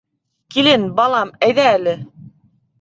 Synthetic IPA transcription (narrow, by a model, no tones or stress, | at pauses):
kilɘnbɑlˠɑmæjðæːlɘ